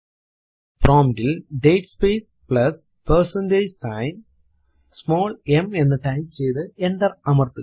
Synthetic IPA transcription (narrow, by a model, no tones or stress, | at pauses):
proːmdilɖejʈspeːs | pɭɐs | persɐnded͡ʑsɐjn | smoːɭemenːɨʈɐjmt͡ɕejðɨend̪ɐrɐmɐrt̪ɨ